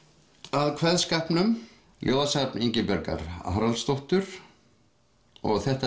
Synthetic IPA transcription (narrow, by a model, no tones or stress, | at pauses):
aðkʰvɛðskahpnʏm | jʔoːðsapniɲcɪpɛɾka̰ɾa̰hɾalst̪oht̪ʏɾ̥ | ɔ̰ɣθɛht̪a